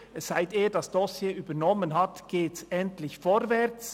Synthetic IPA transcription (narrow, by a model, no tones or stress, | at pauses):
ɛsz̥aɪteːɐd̥ɑsd̥ɔsjeːʔyːbəɾnɔmənɦɑtɡ̥eːtsɛntlɪçfɔɾvɛʁt͡s